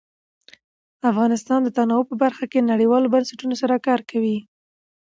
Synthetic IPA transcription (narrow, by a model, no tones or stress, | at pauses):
afɣɑnɪst̪ɑnd̪ət̪anɑwopəbaɾxakenaɽiwɑlobansaʈunosaɾakɑɾkawi